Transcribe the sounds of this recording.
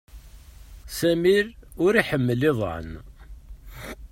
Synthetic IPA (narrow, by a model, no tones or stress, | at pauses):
sæmilʊɾiħəmːəlɪð̰ˤʕə̰n